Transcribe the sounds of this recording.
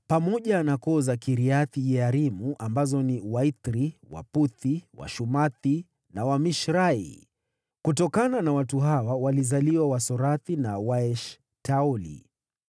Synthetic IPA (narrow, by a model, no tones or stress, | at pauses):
pamɔʄanakɔzakiɾiaθiʄɛaɾimuʔambazɔniwait̪ɾiwa̰puθiwa̰ʃumaθi | nawamiʃɾaḭ | kutɔkananawatuɦawawalizaliwawasɔɾaθinawaɛʃ | taɔlḭ